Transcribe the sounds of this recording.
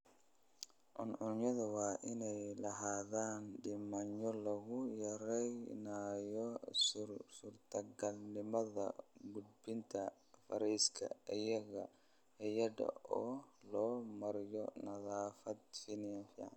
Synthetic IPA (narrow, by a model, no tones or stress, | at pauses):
ʕʊnʕʊnjɐðɐwɑːʔɪnɛjlɐɦaːðaːnɖɪmɐnɔlɐɣʊjɐɾɛjnaːjɔ | surt̪ʰɐɡɐlnɪmɐðɐ̰ɡʊd̪̚bɪnt̪ʰɐ | fɐɾiːskʰɐ̰ɪjɐɣɐ̰ | ɐjɐdɐ̰ʔɔːlɔːmɐɾɪjɔnɐðaːfɐd̪̚finɪjɐnfiːʕɑ̰n